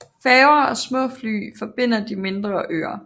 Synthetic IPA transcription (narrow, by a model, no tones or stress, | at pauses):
fɛːʊɐɒ̽smɔ̰̽ːfly̰ːfɒ̽b̥e̝n̰ɐd̥ime̝nd̥ʁɐʔø̰ːɐ